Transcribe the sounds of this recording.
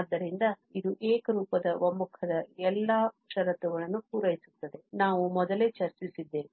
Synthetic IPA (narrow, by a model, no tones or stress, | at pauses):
ad̪ːɐɾind̪ɐ | id̪uʔeːkɐɾuːpɐd̪ɐʋɐmːukʰɐd̪ɐɛlːaːʃɐɾɐt̪ɐʋɐɭɐnːupuːɾɐjisut̪ːɐd̪e̞naːʋumɔd̪ɐle̞ːt͡ʃɐɾt͡ʃisid̪ːe̞ːʋi